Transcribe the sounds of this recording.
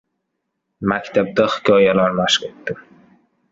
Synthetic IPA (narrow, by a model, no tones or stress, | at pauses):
makʲt̪ʰab̚d̪aχɪ̥kʲʰɒjalaɾmaʃqet̪ːɪ